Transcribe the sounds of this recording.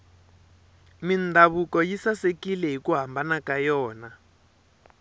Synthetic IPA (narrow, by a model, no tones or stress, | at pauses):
mindaβukɔjisasekilɛɦikuɦambanakajɔːna